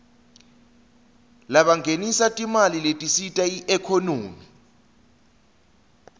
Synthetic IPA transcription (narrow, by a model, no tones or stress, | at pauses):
laɓaŋʱenisatʼimaliletʼisitʼaiʔɛkʰɔnoːmi